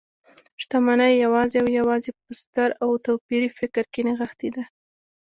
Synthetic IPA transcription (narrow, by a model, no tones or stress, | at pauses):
ʂt̪amanajjawɑzeawjawɑzepəst̪aɾawt̪awpiɾifɪkɾkeneɣaxt̪id̪a